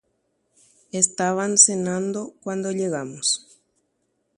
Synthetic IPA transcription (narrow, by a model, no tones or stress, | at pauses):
est̪aβansenãnd̪okwand̪oʎeɣamos